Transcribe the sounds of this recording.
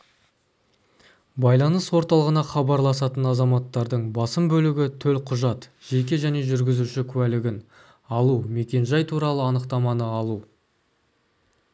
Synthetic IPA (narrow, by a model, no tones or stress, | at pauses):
bɑjlˠɑnəswo̞ɾt̪ɑlˠəʁənɑχɑbɑɾlˠɑsɑt̪ənɑzɑmɑt̪ːɑɾd̪əɴbɑsəmbɵlɪɡʲɪt̪ʰɵlqʰʊʒɑt̪ʒ̥e̞k̬ʲe̞ʒæne̞ʒʏɾɡʲɪzuʃɪkʲʰʉwælɪɡʲɪn | ɑlˠume̞kʲe̞nʒɑjt̪ʰuɾɑlˠəɑnəqt̪ɑmɑnəɑlˠu